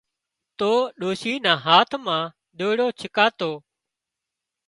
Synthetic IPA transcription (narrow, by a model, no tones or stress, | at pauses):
t̪oːɗoːʃiːnãːɦaːt̪ʰmãː | ɗoːɽoːt͡ʃʰɪkaːt̪oː